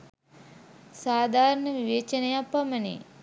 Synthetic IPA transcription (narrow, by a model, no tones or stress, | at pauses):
saːd̪ʱaːɾɐɳəʋiʋeːt͡ʃɐnɐjapːɐmənḛ